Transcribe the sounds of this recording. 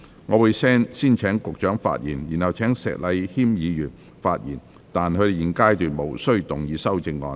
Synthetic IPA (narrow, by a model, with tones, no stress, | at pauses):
ŋɔː˨˧wuː˨˧jsɛː˥ŋsiː˥nt͡ʃʰɛː˨˥ŋkʊ˨k̚t͡ʃœː˨˥ŋfa̰ː˧t̚jiː˨˩njiː˨˩nhɐ˨˩wt͡ʃʰɛː˨˥ŋsɛ̰ː˨k̚lɐ˨˧jhiː˥mjiː˨˧jyː˨˩n | faː˧t̚jḭː˨˩n | t̪aː˨nkʰɵ˨˧d̪e˨˩ji˨˩nkaː˥jt̪yː˨nmo˨˩wsɵ˥ɥt̪ʊ˨˩ŋjiː˨˧sɐ˥wt͡sɪ˧ŋːɔ̰ː˨˧n